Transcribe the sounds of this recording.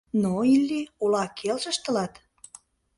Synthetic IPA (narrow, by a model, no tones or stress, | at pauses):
noilʲːiulɑkʰelʒə̆ʃt̪ə̆lɑt̪